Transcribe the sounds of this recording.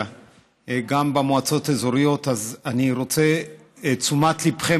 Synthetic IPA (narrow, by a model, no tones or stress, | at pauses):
a | ɡambemoat͡so̞tezoɾijo̞tazaniʁo̞t͡se̞ | t͡sumatlipχe